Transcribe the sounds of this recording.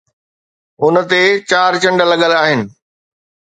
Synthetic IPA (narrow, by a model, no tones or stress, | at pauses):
ʊnə̆t̪et͡ɕaːɾt͡ɕɐ̃ɳɖə̆lɐɠəlaːɦɪnɪ̆